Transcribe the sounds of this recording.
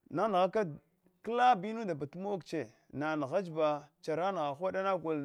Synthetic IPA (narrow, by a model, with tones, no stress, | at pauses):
na˦n˨ɣa˦ka˦ | kla˦bi˦nu˦da˨ba˨tu˦mo˦kt͡ʃe˨ | na˨n˨ɣa˦d͡ʒba˨t͡ʃa˨ɾa˦n˨ɣa˨xʷa˦ɗa˦na˦kʷu˨l